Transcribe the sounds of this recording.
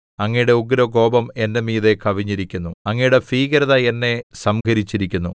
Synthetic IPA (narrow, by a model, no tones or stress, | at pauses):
ɐŋːɐjuɽe̞uɡɾoɡo̞ːbɐme̞nːemiːðe̞kʰɐʋiɲːiɾikʲːunːuɐŋːijuɽe̞fiːɣɐɾɐðɐenːe̞sɐmkʰɐɾit͡ɕːiɾikʲːunːu